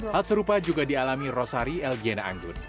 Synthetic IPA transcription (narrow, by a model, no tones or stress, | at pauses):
halsəɾupad͡ʒuɡadialamirɔsaɾiɛlɡianaa̰ŋɡʊr